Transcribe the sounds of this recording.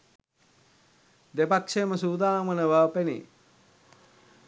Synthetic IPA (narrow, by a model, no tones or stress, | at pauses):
d̪epakʂeməsuːd̪aːmənəʋaːpenḭ